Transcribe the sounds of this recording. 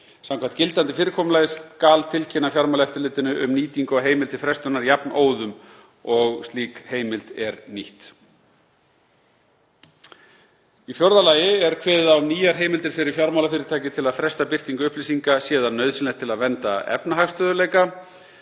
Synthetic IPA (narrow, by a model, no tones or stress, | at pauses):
samkʰvant̪cɪlt̪ant̪ɪfɪːɾɪkʰɔːmʏlajðskaːlt̪ʰɪlcʰɛnːafjaɾmawlɛft̪ɪɾlɪːt̪ɪnʏʔʏmniːt̪iŋkɔɦeːjmɪlt̪ʰɪlfɾɛst̪ʏnaɾjapnoːwðʏm | ɔɣst̪liːkheːjmɪlt̪ɛɾniht̪ | ifjɔɾðalaːjɪɛɾkʰvɛːðawniːjaɾ̥ɦeːjmɪlt̪ɪɾ̥fɪɾɪɾ̥fjaɾmawlafɪːɾɪɾt̪ʰaːcɪt̪ʰɪlaðfɾɛst̪apɪr̥t̪iŋkʏʏhplisiŋkasjɛːðanːœɥðsɪnɛt̪ʰɪlaðvɛnt̪aɛ̰pnaɦaxst̪œːðʏleːjka